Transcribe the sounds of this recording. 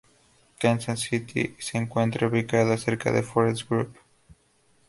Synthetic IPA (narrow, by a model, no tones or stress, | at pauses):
kansansit̪ʰḭseŋkwent̪ɾaβikaðoseɾka̰ðefoɾesɡɾup